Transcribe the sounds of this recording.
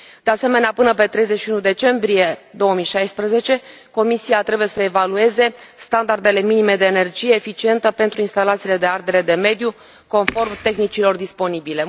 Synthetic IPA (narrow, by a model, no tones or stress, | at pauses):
d̪̥e̞ase̞me̞neapɨnəpe̞t̪ɾe̞jzet͡ʃʃiunud̪e̞t͡ʃe̞mbɾije̞d̪o̞wəmijʃajspɾəze̞t͡ʃe̞ko̞misiat̪ɾe̞buje̞səevalue̞ze̞st̪and̪ard̪e̞le̞minime̞d̪eːne̞rd͡ʒije̞ːfit͡ʃie̞nt̪əpe̞nt̪ɾuinst̪alat̪sile̞d̪e̞ard̪e̞ɾe̞d̪e̞me̞d̪ju | ko̞nfo̞rmt̪e̞xnit͡ʃilo̞rd̪ispo̞nibile̞